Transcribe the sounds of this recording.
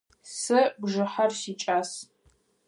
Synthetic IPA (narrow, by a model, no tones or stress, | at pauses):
sɨbʒɨħɐrsiːt͡ʃʼaːs